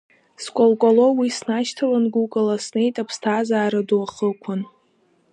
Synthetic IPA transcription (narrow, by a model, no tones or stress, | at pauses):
skʷʼolkʷʼalo̞wisnaʃtʰalanɡukʼɨlasne̞jtʼapʰstʰaːzaːɾaduaχəkʷʰan